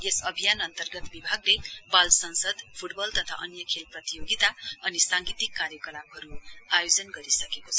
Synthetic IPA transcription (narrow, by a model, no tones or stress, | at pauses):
esʌbʱijanʌnt̪ʌrɡʌt̪bibʱaɡlebalsʌnsʌd̪pʰuʈbʌlt̪ʌt̪ʰa̰ʔʌnjʌkʰelprʌt̪ijoɡit̪aʌnisaŋɡit̪ikːaɾjʌkʌlabɦʌɾuajod͡zʌnɡʌɾisʌkekot͡sʰʌ